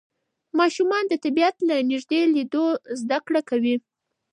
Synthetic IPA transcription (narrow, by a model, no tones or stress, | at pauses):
mɑʃumɑnd̪ət̪abijat̪lanɪʒd̪elid̪ozd̪akɽakawi